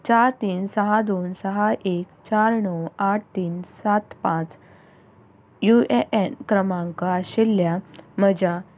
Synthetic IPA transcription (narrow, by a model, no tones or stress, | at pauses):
t͡ɕaɾt̪iːnsəɦad̪onsəɦaʔekt͡ɕaɾɳəwaʈʰt̪iːnsat̪pãt͡s | jueʔenkɾəmãŋkaɕelːjaməd͡ʑa